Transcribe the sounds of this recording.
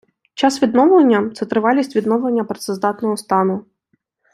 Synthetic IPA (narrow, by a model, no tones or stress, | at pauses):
t͡ʃɑsʋʲid̪nɔʋlˠɐnʲːɐt̪sɛt̪ɾɪʋɑlʲisʲtʲʋʲid̪nɔwlˠenʲːɐpɾet̪sɛzd̪ɑt̪nɔɦɔst̪ɑnʊ